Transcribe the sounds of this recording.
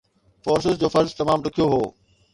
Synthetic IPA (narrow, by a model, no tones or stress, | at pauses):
foːɾsɪzd͡ʑoːfɐɾzt̪ɐmaːmɖʊkʰijoɦoː